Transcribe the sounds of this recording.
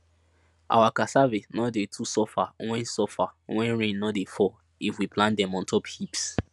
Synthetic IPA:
ʔa̰wakasavenɔdetʰusɔfawɛ̃nsɔfawɛ̃nɹẽnːɔdefɔ | ifwiplãndɛ̃mɔ̃ntʰɔphips

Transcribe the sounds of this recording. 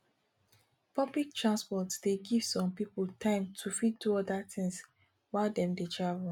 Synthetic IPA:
pɔblik̚tʰɹãnspɔtsd̥eɡiv̥sɔ̃mpipltʰãɪ̃mtʰufid̚duɔdatĩŋs | waɪdɛ̃mdet͡ʃav

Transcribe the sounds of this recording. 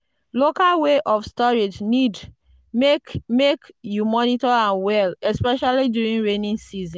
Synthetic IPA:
lokalweʔɔfstɔɹid͡ʒnid | kmekjumɔnitɔãnwɛlɛspɛʃalidjuɹĩnɹenĩnsizĩn

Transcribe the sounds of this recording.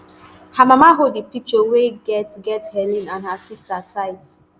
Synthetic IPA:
hamamaɦodipit͡ʃoweɡɛtɡɛthɛnĩnãnhasistataɪt

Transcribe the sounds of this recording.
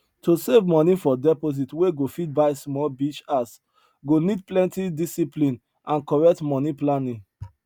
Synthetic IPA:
tʰosevmɔ̃nifɔdɛpoz̬itweɡofid̚baɪsmɔlbit͡ʃas | ɡonid̚plɛ̃ntidisiplĩn | ãnkɔɹɛk̚tmɔniplanĩŋ

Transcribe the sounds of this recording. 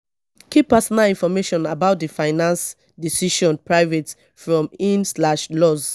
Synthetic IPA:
kipːasɔnalĩnfɔmeʃɔ̃nabaʊt̚difaɪnãns | disiʃɔ̃npɹaɪvet | fɹɔ̃mĩnslaʃlɔz

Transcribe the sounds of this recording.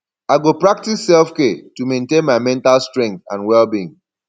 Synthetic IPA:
aɪɡopɹak̚tisːɛlfkɛtumẽntẽnmaɪmɛ̃ntalstɹɛ̃ŋk̚θã̰nwɛlbiĩn

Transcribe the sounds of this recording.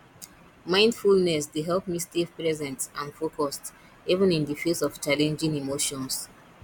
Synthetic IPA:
mãɪ̃ndfulnɛsdeɦɛlp̚mistifpɹɛzɛ̃ntsãnfokʰɔst | ivə̃nĩndifesɔv̥t͡ʃalɛ̃nd͡ʒĩŋimoʃɔ̃ns

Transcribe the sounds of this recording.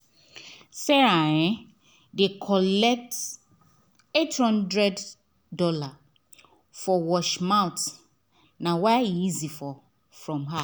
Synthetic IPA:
sɛaɛ̃ | dekʰɔlɛk̚t | ethɔ̃ndɹɛdː | ɔla | fɔwɔʃmãʊt | nãwaiizifɔ | fɹɔ̃mɦa

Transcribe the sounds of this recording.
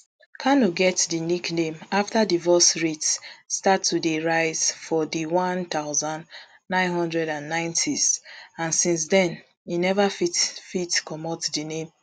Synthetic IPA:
kʰanoɡɛtdiniknẽmaftadivɔsɹitsstatʰːudeɹaɪz̥fɔdiwɔ̃ntaʊzãn | nãɪ̃nɦɔ̃ndɹɛdãnːãɪ̃ntʰizãnsĩns̬dɛ̃n | inɛvaffitkɔmɔtdinẽm

